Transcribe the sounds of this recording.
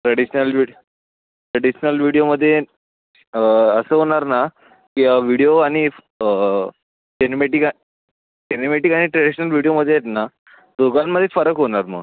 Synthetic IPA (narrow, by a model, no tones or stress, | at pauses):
ʈɾəɽiɕnəlʋi | ʈɾəɽiɕnəlʋiɽijoməd̪ʱːje | əsəːɦoɽ̃aɾna | kiaʋiɽijoaɽ̃i | enimeʈika | ʈenimeʈiːkaɽ̃iʈɾeɽiɕənəlʋiɽijoməd̪ʱːejet̪na | d̪oɡanmːəd̪ʱːjefəɾəkɦoɽ̃aɾmə̰ɡ